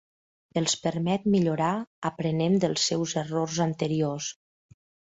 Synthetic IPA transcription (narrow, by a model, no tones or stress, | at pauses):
əlˠspəɾmɛt̪̚miʎuɾaəpɾənemd̪əlˠsːɛwzərorzənt̪əɾios